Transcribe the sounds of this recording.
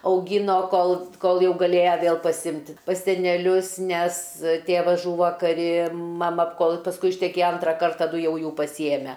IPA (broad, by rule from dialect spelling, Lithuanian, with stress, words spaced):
ɐʊˈɡʲɪnoː ˈkoːlˠ ˈkoːlˠ ˈjɛʊ ɡɐˈlʲeːjɛ ˈʋʲeːlˠ pɐˈsʲɪmʲtʲɪ pɐs sʲɛnʲɛˈlʲʊs nʲɛs ˈtʲeːʋɐs ˈʒuːʋoː kɐˈrʲɪ mɐˈmɐ ˈkoːlˠ pɐsˈkʊɪ ɪʃʲtʲɛˈkʲeːjɛ ˈɐntrɐ ˈkɐrt tɐˈdʊ ˈjɛʊ ˈjuː pɐsʲiːˈjæːmʲɛ